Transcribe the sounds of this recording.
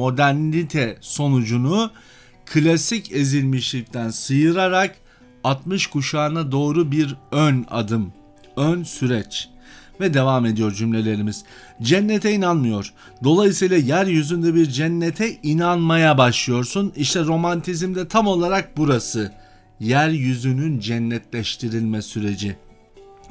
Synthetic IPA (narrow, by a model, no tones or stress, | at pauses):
mo̞d̪æɾnit̪ʰɛso̞nud͡ʒunu | kʰlʲasicʰe̞zilʲmiʃlʲic̚t̪ʰænsɯjɯɾaɾak | at̪mɯʃkʰuʃaːɾɯnad̪o̞ːɾubiɾøna̰d̪ɯm | ønsyɾɛt͡ʃ | vɛd̪e̞vaːme̞d̪ijo̞ɾd͡ʒymlʲe̞lʲe̞ɾimiz̥ | d͡ʒɛnːet̪ʰɛinanmɯjo̞ɾ̥ | d̪o̞lˠajɯsɯjlˠajæɾjyzynd̪ɛbiɾd͡ʒɛnːet̪ʰɛʔinanmajabaʃlˠɯjo̞ɾsuniʃt̪ʰɛɾo̞mant̪ʰizmd̪ɛt̪ʰamo̞lˠaɾak̚buɾasɯ | jæɾjyzynynd͡ʒɛnːɛt̪lʲɛʃt̪ʰiɾilʲmɛsyɾe̞d͡ʒi